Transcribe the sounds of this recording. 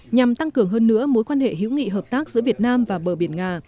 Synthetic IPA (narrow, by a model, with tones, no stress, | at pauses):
ɲa˨˩mt̪a˧ŋkɨ˨˩əŋɦəː˧nːɨ̰˧˥əmo˨˦jkwaː˧nhḛ˧˨ɦḭ˨˧˦wŋḭ˧˨ɦəː˨˩p̚t̪aː˦˥k̚zɨ̰˧˥əvi˨˩ət̚naː˧mvaː˨˩ɓəː˧˩ɓi˧˩ənŋaː˨˩